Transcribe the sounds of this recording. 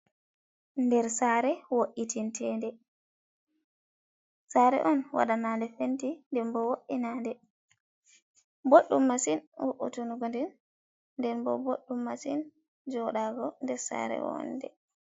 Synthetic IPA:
ndɛɾsaːɾɛwoʔitintʰɛːndɛ | saːɾɛ̰ʔɔnwa̰ɗanaːndɛfentindɛnbɔwoʔinaːndɛ | boɗːumːasinwoʔṵtunuɡɔndɛnː | dɛnbɔ̰boɗːumːasin | d͡ʒɔɗaɡɔndɛɾsa̰ɾɛ̰wɔ̰ndɛ̰

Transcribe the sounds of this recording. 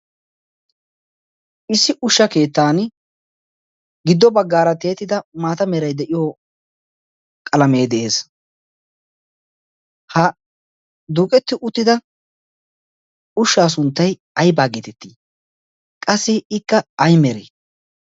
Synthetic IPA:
ɪsːɪʔʊʃːɐke̞ːt̪ːaːn | ɡɪd̪ːɔbɐɡːaːɾɐt̪e̞ːt̪ːɪd̪ɐmaːt̪ɐmɛɾɐjd̪ɛʔɪjoː | kʼɐlɐme̞ːd̪ɛʔe̞ːs | hɐ | d̪uːkʼɛt̪ːɪʔʊt̪ːɪd̪ɐ | ʊʃːaːs̬ʊnt̪ːɐj | ɐjbaːɡeːt̪ɛt̪ːiː | kʼɐsːɪɪkːɐɐjmɛɾḛ

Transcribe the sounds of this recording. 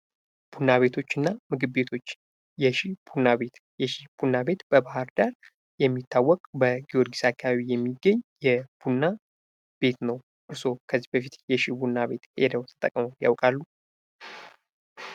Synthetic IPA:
b̥unːaβe̞t̪ʰo̞t͡ʃːɨnːamɨɡɨbːe̞t̪ʰo̞t͡ʃː | jɛʃib̥unːaβe̞t̪ | jɛʃib̥unːabe̞t̪b̥əbaɦaɾd̪aɾ | jɛmːit̪ːawːɔkʼbəɡioɾɡisakʰːaβaβijɛmːiɡːəɲːjɛb̥unːa | b̥e̞t̪nəw | ʔɨɾso̞kʰəzːibəfit̪jɛʃibunːaβe̞t̪ed̪əwt̪ʰə̥t̪ʼə̰kʼmoja̰wkʼalːu

